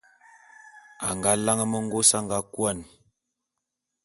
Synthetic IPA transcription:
a˨ŋɡa˨˦la˦ŋə˦mə˦ŋ˦ɡo˦sa˦ŋɡa˦kwa˦˨n

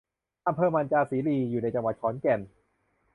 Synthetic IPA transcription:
ʔa˧mpʰɤː˧maː˧nt͡ɕaː˧siː˨˩˦liː˧juː˨˩na˧jt͡ɕa˧ŋwa˨˩t̪̚kʰɔː˩˦nkɛ˧˩n

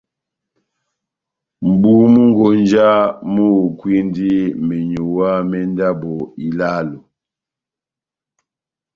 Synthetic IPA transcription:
m̩˨bu˦mu˦ŋ˦ɡo˨n˦d͡ʒa˦mu˦˨kwi˦ndi˦mɛ˨ɲo˨wa˦mɛ˦n˦da˦bo˨i˨la˦lo˨

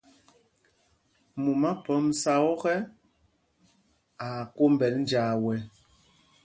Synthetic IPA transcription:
mu˨ma˦pə˨˦m˨sa˦ɔ˦ɣɛ˦ | a˨ko˦m̩˦bɛ˨ln̩˦d͡ʒaː˨wɛ˨

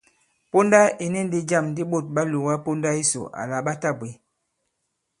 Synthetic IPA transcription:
po˦nda˦i˨ni˦n˦di˦d͡ʒa˦˨mndi˦ɓo˦˨t̚ɓa˦lu˨wa˦po˦nda˦i˦so̰˨ʔa̰˨la˨ɓa˦ta˦˨be˨˦

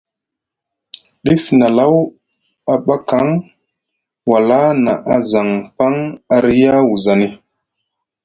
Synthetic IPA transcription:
ɗi˦fna˨la˦w | a˨ɓa˦ka˨˦ŋ | wa˨la˦na˨ʔa˨za˨ŋpa˦ŋa˨ɾi˦ja˦wu˨za˨ni˨

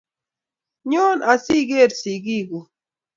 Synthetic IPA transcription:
ɲoː˦nʔa˨si˦ɡe˦ɾsi˨ɡi˦ɡu˨

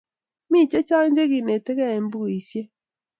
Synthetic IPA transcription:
mi˦˨t͡ʃe˦t͡ʃa˦ɲd͡ʒe˦ɣi˨ne˨tɛ˦ɣɛ˦e˨mbu˦˨i˨sje˦

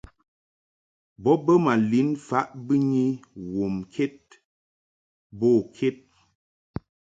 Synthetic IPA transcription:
bɔ˦bə˦ma˨li˨˦nfa˨˦ʔbɨ˦ɲi˦wo˨mkʰe˦t̚ | boː˦˨kʰe˦t̚

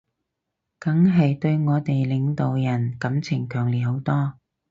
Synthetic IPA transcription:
kɐ˨˥ŋɦɐ˨jt̪ɵ˧ɥŋɔː˨˧t̪e˨jlɪ˨˧ŋt̪o˨wjɐ˨˩nkɐ˨˥mt͡sʰɪ˨˩ŋkʰœː˨˩ŋliː˨t̚ho˨˥wt̪ɔː˥

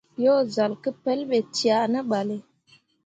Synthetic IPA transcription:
jo˦za˨lkə˦pɛ˦lɓe˨ti˨a˨nə˦ɓa˨le˨

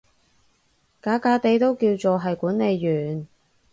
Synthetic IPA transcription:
kaː˨˧˥kaː˨˧t̪e˨˧jt̪o˥wkiː˧wt͡ʃoː˨ɦɐ˨jkuː˨˥nle˨˧jːyː˨˩n

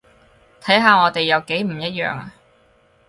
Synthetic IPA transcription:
t̪ʰɐ˨˥jɦaː˨˧ŋɔː˨˧t̪e˨jːɐ˨˧wke˨˥jm̩˨˩jɐ˥t̚jœ̰ː˨˧ŋa̰˧

